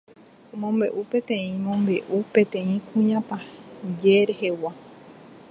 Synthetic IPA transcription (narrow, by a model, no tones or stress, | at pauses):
õmõ̞mbe̞̰ʔupẽ̞t̪ẽ̞ĩmõmbe̞ʔupẽ̞t̪ẽ̞ĩkʰũɲãpad͡ʒeɾehe̞wa